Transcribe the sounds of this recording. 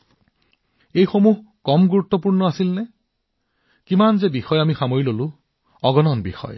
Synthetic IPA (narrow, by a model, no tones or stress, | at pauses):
ejxomuɦ | kɔmɡuɹut̪ːɔpuɹnɔasilnɛ | kimanzebixɔjamixamoɹilolu | ɔɡɔnɔnbḭxɔ̰j